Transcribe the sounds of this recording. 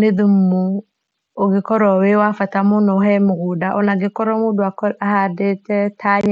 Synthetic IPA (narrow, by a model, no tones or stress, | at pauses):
neðummu | oɡekɔɾɔwewafatamonɔhɛmoɣodaʔɔnaɡekɔɾɔmodoakɔahadetɛtaɲ